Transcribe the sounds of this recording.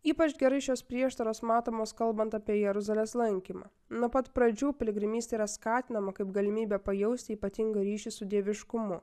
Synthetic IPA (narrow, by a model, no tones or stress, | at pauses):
iːpɐt͡ʃɡʲɛɾɐɪʃʲoːspʲɾʲiɛʃt̪ɐɾoːsmɑːt̪oːmoːskɐlˠbɐnt̪ɑːpʲiɛjɛɾʊzɐlʲeːslˠɐŋʲkʲiːmɑ̰ː | nupɐt̪pɾɐd͡ʒʲuːpʲɛlʲɪɡɾʲɪmʲiːst̪ɐiɾɐskɑːt̪ʲɪnɐmɐkɐɪpɡɐlʲɪmʲiːbʲɛpɐjɛʊsʲt̪ʲɪiːpɐt̪ʲɪŋɡɐɾʲiːʃʲisʊd̪ʲeːʋʲɪʃkʊmʊ